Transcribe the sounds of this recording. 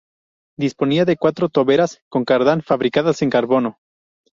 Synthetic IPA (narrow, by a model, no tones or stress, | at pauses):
d̪ispo̞niaðe̞kwat̪ɾot̪o̞βe̞ɾasko̞ŋkaɾðanfaβɾikaðase̞ŋkaɾβo̞no̞